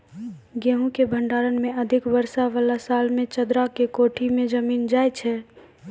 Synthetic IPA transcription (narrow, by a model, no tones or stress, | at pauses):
ɡeɦũkebʱəɳɖaɾənmeəd̪ʱɪkbəɾsaʋalasalmẽt͡ʃəd̪ɾakekoʈʰimed͡ʒəmiːnd͡ʒajt͡ʃʰɛ